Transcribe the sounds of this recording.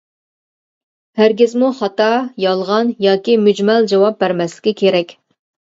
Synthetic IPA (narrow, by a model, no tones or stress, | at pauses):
hæɾɡʲɪzmuχɑt̪ɑjɑlˠʁɑnjɑːkʲimyd͡ʒmɛld͡ʒɑwɑp̚bæɾmɛslɪ̥kʲɪkʲʰeɾɛkʲ